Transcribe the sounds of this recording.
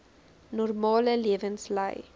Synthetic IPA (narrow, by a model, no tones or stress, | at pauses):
nɔrmɑːləliəvənslə̰j